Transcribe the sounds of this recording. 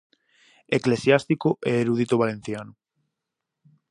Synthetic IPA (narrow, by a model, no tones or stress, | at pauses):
eklesjast̪ikoʔeːɾuðit̪oβalẽn̟θjanʊ